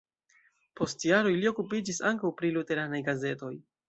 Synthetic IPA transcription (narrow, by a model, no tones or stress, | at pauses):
po̞stjaɾo̞jlio̞kupid͡ʒisaŋkawpɾilute̞ɾanajɡaze̞to̞j